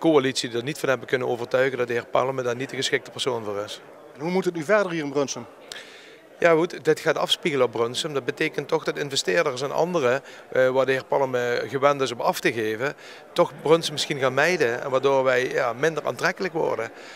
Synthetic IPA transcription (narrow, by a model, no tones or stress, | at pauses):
koalitsididaɹnitfɑnɦɛbənkɵnənoːvərtœɥɣəndɑt̚dəɦɪːɹpɑ̰ləmədaːɹnitdəɣəsxɪk̚tə̥pəɹsoːnvʊːrɪs | nɦumutətnyvɛɹdəɹɦiːɹɪnbrɵnsəm | jaːhutdɪtxaːtɑfspiɣələɔbrønsəmdɑt̚bətejkəntːɔxdɑtɪnvɛstɪːɹdəɹsɛnɑ̰ndərə | ʋaːɹdəɦɪːɹpɑlˠəməɣəʋɛntɪsɔmɑftəɣeːvə | tɔxbrønsəmɪsxinɣaːnmɛjdəɛ̰nʋaːɹdoːɹʋɛjjaːmɪndəra̰ːntrɛkələkʋɔ̰ɹdə